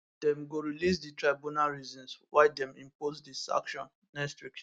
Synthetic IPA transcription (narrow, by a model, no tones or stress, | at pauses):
dɛ̃mɡoɹilis̬ditɹaɪbunalɹizɔ̃nswaɪdɛ̃mḭ̃mpozdisã̰kʃɔ̰̃nːɛkstwik